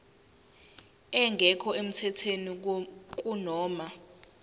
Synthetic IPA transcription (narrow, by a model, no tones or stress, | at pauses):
ɛŋɡʱɛkʰɔem̩tʰɛtʰenik̬ʼunɔːma